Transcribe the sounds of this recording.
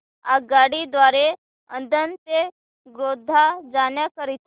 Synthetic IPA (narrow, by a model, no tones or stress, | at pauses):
a̰ːɡaːɽid̪waːɾe | ə̰̃nd̪ʱənpe | ɡɾoːd̪ʱːad͡ʒaːnjakəɾit̪ʰ